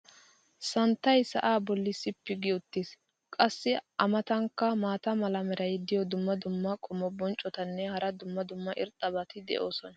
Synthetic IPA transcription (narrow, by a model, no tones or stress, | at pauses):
sɐnt̪ːɐjsɐ̰ʔaːbɔlːɪsːɪpːɪɡɪʊt̪ːɪs | kʼɐsːɪʔɐmɐt̪ɐŋkːɐmaːt̪ɐmɐlɐmɛɾʔɐjd̪ɪjɔd̪ʊmːɐd̪ʊmːɐkʼɔmːɔbɔnt͡ʃʼːɔt̪ɐnːɛhɐɾɐd̪ʊmːɐd̪ʊmːɐʔɪɾt̪ʼːɐbɐt̪ɪd̪ɛ̰ʔo̞ːsɔnɐ